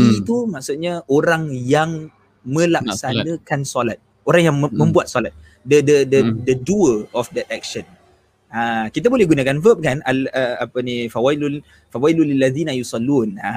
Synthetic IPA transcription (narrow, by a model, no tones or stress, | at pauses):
it̪umaksut̪̚ɲaʔoɾaŋjaŋ | mə̃laksanə̃kansolat̪̚ | oɾaŋjaŋmə̃mbuat̪̚solat̪̚ | dədədədəduəɔfdɛt̪̚ɛk̚ʃən | akit̪̬abolɛhɡunakanvəp̚kanaləapənifawailu | fawailulilːaðiːnajusɑlːuna